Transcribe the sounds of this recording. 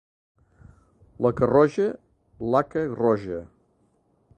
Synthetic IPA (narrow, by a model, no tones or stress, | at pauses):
ləkərɔʒə | lakərɔʒə